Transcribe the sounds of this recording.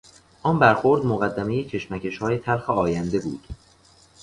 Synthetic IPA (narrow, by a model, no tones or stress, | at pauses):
ʔɒnbæɾxoɾd̪moɣæd̪ːæme̞jecʰe̞ʃmæcʰe̞ʃhɒːjet̪ʰæɾxeɒːjænd̪e̞bṵːd̪̥